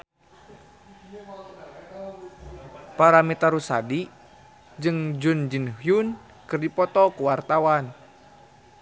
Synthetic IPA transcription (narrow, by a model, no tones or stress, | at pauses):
paɾamit̪aɾusa̰di | d͡ʒɨŋd͡ʒund͡ʒinhjun | kɨrdipɔt̪ɔkuwart̪awan